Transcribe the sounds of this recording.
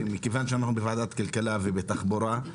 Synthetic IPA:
mikevanʃeanaχnubevaʕd̪at̪kalkalavebet̪aχboɾa

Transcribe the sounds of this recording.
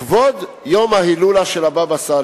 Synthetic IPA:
vod̪ | jo̞mahilulaʃelababasa

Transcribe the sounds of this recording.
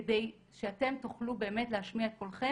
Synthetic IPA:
edej | ʃeate̞mt̪uχlube̞ːme̞tlehaʃmiaet̪̚ko̞lχe

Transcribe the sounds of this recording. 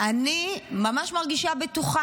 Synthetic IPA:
animamaʃmaʁɡiʃabetuχa

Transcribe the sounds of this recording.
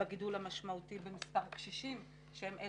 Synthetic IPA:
aɡidulhamaʃmautibemispaʁkʃiʃim | ʃehemʔe

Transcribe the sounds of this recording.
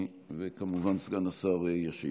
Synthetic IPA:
vekamuvansɡanasaʁejaʃḭ

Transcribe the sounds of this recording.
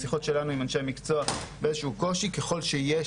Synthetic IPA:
siχo̞tʃe̞lanuimanʃejamikt͡soabeezeʃuko̞ʃike̞χo̞lʃeje

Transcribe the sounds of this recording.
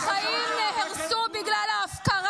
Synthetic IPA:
χajimneheʁsubiɡlalaːfkaʁ

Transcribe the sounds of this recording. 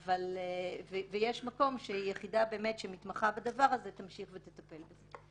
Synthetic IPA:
avalvevejeʃmako̞mʃeijeχidabe̞ːme̞tʃemit̪maχabadavaʁazet̪amʃiχvet̪etape̞lbeze

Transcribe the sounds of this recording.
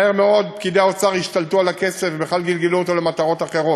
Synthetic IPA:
eʁmeo̞d̪̚pkid̪eaot͡saʁiʃt̪alt̪ualake̞sefbeχalɡilɡeluot̪o̞lemat̪aʁo̞t̪aχe̞ʁo̞

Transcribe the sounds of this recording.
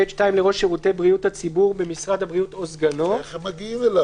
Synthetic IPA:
eʃtaimleʁo̞ʃeʁutebʁiuthat͡sibuʁbemisʁad̪habʁijut̪ozɡano̞emaɡimela

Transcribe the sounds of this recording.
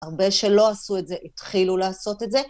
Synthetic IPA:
aʁbe̞ʃe̞lo̞asuetze̞ʔit̪χilulaːso̞te̞tze̞

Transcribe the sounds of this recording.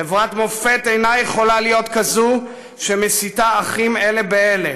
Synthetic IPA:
evʁat̪mo̞fe̞t̪e̞jnajeχo̞lalijo̞t̪kazu | ʃemesit̪aːχime̞le̞beele

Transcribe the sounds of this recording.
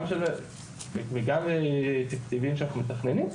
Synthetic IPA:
mʃel | veɡamet̪akt̪ivimʃeanaχumet̪aχnenim

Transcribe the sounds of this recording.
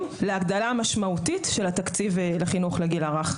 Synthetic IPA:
leaɡd̪alamaʃmaut̪itʃelat̪akt͡sivleχinuχleɡilaʁaχ

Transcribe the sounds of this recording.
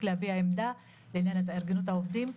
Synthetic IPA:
kleabiaemd̪a | leinjanet̪aeʁɡenut̪̬aovd̪im

